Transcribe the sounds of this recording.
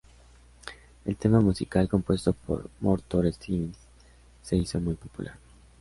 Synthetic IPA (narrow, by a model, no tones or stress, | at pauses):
e̞lt̪e̞mamusikalko̞mpwe̞st̪o̞po̰ɾmoɾt̪oɾest̪ins | se̞iso̞mujpo̞pṵlʔa̰ɾ